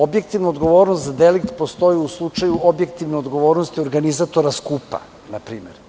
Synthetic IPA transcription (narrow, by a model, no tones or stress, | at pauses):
o̞bjek̚t̪iʋnuod̪ɡo̞ʋo̞ːɾnost̪zad̪elikt̪po̞st̪o̞jiuslˠut͡ʃajuobje̞kt̪iʋneod̪ɡo̞ʋo̞ːɾnost̪io̞ɾɡanizat̪o̞ɾaskupa̰ | napɾiːmḛɾ